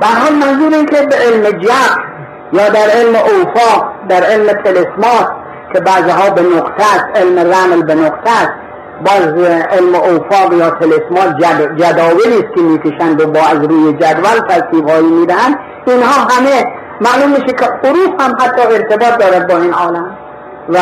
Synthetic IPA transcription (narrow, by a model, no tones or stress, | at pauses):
b̥ææɾhɒːlmænzuːɾeinkʰʲebeʔelmed͡ʒæb | jɒːd̪æɾelmeʔowfɒːqd̪æɾelmet̪ʰelesmɒːs | kʲʰebæːziɦɒːbenoqt̪ʰæst̪elmeræmlbenoqt̪ʰæst̪ | bɒːzelmeʔowfɒːqjɒːt̪ʰelesmɒːt̪d͡ʒæd̪ɒːjeliːst̪̚kʰʲemiːkʰeʃænd̪obɒːæzɾuːjed͡ʒæd̪vælt̪ʰæɾsiːbhɒːiːmiːd̪æhænd̪ | inhɒːɦæme | mæːluːmːiːʃekʲʰeoɾuːfhæmɦæt̪ʰːɒːeɾt̪ʰebɒːt̪̚d̪ɒːɾæd̪̚bɒːiːnɒːlæm | væ